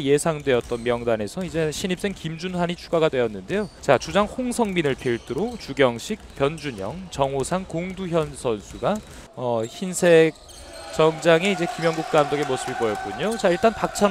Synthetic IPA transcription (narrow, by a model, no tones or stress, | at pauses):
je̞sʰaŋdwe̞ʌt̚t͈ʌnmjʌŋdane̞sʰʌid͡ʑe̞ɕʰiɲip̚s͈e̞ŋkimd͡ʑunsaɲit͡ɕʰuɡaɡadwe̞ʌnːɯnde̞jot͡ɕat͡ɕud͡ʑaŋhoŋsʰʌŋminɯɭpʰiiɭt͈ɯɾot͡ɕuɡjʌŋɕʰik̚pjʌnd͡ʑuɲʌŋt͡ɕʌŋosʰaŋkoŋduçjʌnsʰʌnsʰuɡa | ʌçinsʰe̞k̚ | t͡ɕʌŋd͡ʑaŋe̞id͡ʑe̞kimjʌŋɡuk̚t͈amdʌɡemosʰɯbiɭbʌjʌk̚k͈uɲot͡ɕaiɭt͈anpak̚t͡ɕʰa